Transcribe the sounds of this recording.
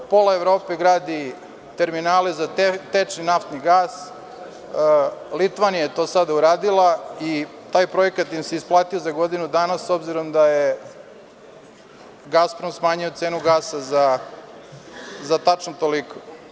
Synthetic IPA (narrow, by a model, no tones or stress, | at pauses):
po̞laevɾo̞ːpeɡɾaːd̪i | t̪e̞ɾminaːlezat̪et͡ʃninaft̪niɡaːs | lit̪ʋanijajet̪o̞ːsad̪auɾaːd̪ilˠait̪aːjpɾo̞ekat̪jimseisplˠaːt̪io̞zaɡo̞d̪inud̪anasːo̞bziɾo̞md̪aje | ɡaspɾomsmaːɲiot̪seːnuɡaːsaza | zat̪at͡ʃnot̪oliko